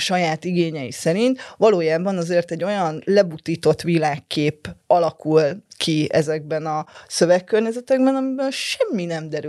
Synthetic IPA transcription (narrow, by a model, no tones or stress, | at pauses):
ʃɒjaːt̪iɡeːɲɛjḭsɛɾint̪ʋɒloːjaːbɒnɒzeːrt̪ɛɟːo̞jɒnlɛbut̪iːt̪o̞t̪ʋilaːkːeːpɒlɒkulkʰiɛ̰zɛɡ̚bɛnɒsøvɛkːørɲɛzɛt̪ɛɡbɛnɒmibɛlʃɛmːinɛmd̪ɛɾy